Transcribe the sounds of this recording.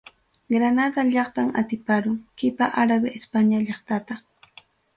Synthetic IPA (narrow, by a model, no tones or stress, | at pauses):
ɡɾanad̪aʎɑχt̪aŋat̪ɪpaɾʊŋkɪpaʔaɾabɪespaɲaʎɑχt̪at̪a